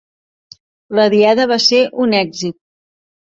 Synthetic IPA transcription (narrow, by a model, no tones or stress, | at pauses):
ləðiɛðəβaseʔunɛɡzit̪̚